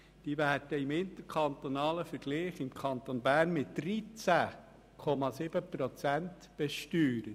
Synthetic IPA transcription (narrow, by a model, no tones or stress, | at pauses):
d̥iːvæːɾd̥əɪmɪntəɾkʰɑnt̪onɑːləfəɾɡ̥liːχɪmkʰɑnt̪onbæːɾnmɪtdɾit͡sæ | kʰɔmɑsɪb̥əpɾot͡sænt | b̥ɛʃtyːɾə